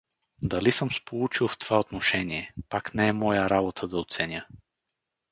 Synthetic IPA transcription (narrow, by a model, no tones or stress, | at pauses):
d̪ɐlisəmspolˠut͡ʃilˠft̪ovaot̪noʃɛniɛpaknɛɛmɔjəɾabot̪ʰəd̪ɐot̪sɛnʲjə